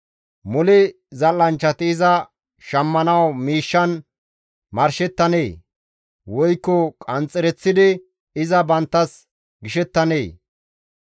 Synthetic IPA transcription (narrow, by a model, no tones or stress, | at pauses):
mʊlɪ | zɐlːɐnt͡ʃːɐt̪ɪːzɐ | ʃɐmːɐnɐwmiːʃːɐn | mɐɾʃɛt̪ːɐneː | wɔjkːɔkʼɐnt͡sʼːɛɾɛt͡sːɪd̪ɪ | ɪzɐbɐnt̪ːɐs | ɡɪʃɛt̪ːɐneː